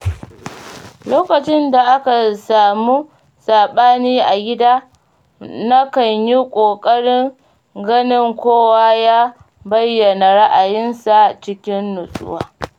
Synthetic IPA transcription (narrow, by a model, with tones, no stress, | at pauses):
loː˦kɐ˨t͡ʃɪ˦nda˨ʔa˦ka˨saː˨muː˦ | saː˨ɓaː˦niː˦ʔa˨ɡʲɪ˦daː˦ | na˦kɐ˨ɲji˦kʷʼoː˨kʼɐ˦ɽɪ˦ŋ | ɡɐ˦nɪ˦ŋkʷoː˦waː˦jaː˦ | bɐ˦jːɐ˨na˨ɽa˦ʔa˨jɪ˦nsa˨t͡ʃɪ˦kʲɪ˦nːʊ˨sʼʊ̰˦wa̰ː˦